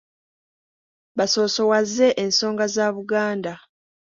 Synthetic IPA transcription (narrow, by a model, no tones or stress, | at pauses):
βaso̞ːso̞wazːe̞ʔenso̞ːŋɡazaːβuɡaːnda